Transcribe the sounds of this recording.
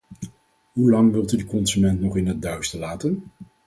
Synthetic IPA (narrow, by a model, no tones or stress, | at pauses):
ɦulɑŋʋɪlˠtydəkɔnzymɛntnɔχɪnɦəd̚dœɥstəlaːtən